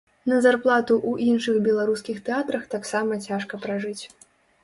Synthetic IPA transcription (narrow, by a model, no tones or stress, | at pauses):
nɐzarplˠat̪uʔuʔinʂɨxbʲɛlˠaɾuskʲixt̪ɛat̪ɾɐxt̪aksamɐt͡sʲaʂkɐpɾaʐɨt͡sʲ